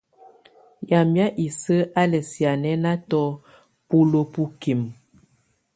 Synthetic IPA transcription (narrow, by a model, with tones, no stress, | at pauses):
ja˨mja˦ʔi˨sə˦a˦lɛ˨sja˨nɛ˦na˦tɔ˦ | pu˦lo˨pu˦ki˨m